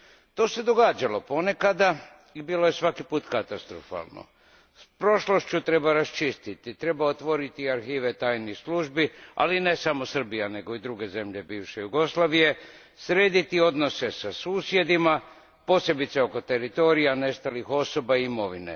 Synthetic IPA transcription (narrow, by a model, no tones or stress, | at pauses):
t̪o̞ːse̞d̪o̞ɡaːd͡ʒalo̞po̞ne̞kad̪a | ibiːlo̞je̞sʋakipuːt̪kat̪ast̪ɾo̰fa̰ːlˠno̞̰ | spɾo̞ʃlo̞ʃt͡ɕut̪ɾe̞baɾast͡ʃist̪it̪it̪ɾe̞baot̪ʋo̞ɾit̪iaɾxiːʋe̞t̪aːjnisluʒbia̰line̞samosr̩bijane̞ɡo̞id̪ɾuɡe̞ze̞mʎe̞biːʋʃe̞juɡo̞slˠaːʋije̞ | sɾe̞ːd̪it̪io̞d̪no̞se̞sasuːsje̞d̪ima | po̞ːse̞bit̪seo̞ko̞t̪e̞ɾit̪o̞ːɾijane̞st̪alixo̞so̞baiimo̞ʋinḛ